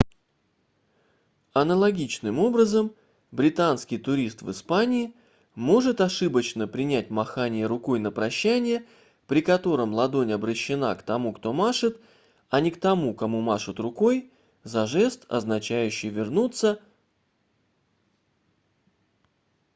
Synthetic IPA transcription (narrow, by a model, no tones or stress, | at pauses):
ɐnəlˠɐɡʲit͡ɕnɨmo̞bɾəzəm | bɾʲɪt̪anskʲɪjt̪ʊɾʲist̪vɨ̰spanʲɪː | mo̞ʐɨt̪ɐʂɨbət͡ɕnəpɾʲɪnʲæt̚ʲmɐxanʲɪjəɾʊko̞jnəpɾɐɕːænʲɪjə | pɾʲɪkɐt̪o̞ɾəmlˠɐd̪o̞nʲɐbɾəɕːɪna̰kt̪ɐmukt̪o̞maʂɨt̪ | ɐnʲɪkt̪ɐmukɐmumaʂɨt̪rʊko̞j | zɐʐɛst̪ɐ̰znɐt͡ɕæjʉɕːɪjvʲɪrnut̪sːə